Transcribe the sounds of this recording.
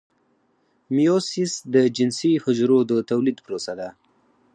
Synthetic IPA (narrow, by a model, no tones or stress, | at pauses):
mijosisd̪əd͡ʒɪnsihʊd͡ʒɾod̪ət̪awlid̪pɾosad̪a